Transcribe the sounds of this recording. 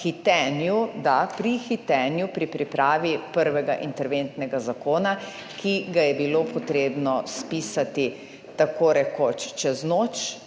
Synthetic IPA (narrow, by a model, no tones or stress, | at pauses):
xit̪ɛnjud̪apɾixit̪ɛːnjupɾipɾipɾaːʋipəɾʋɛɡa̰ʔint̪ɛɾʋent̪nɛɡazakoːna | kʰiɡajɛbilopɔt̪ɾeːbnɔspiːsat̪i | t̪akoɾɛkot͡ʃt͡ʃɛznoːt͡ʃ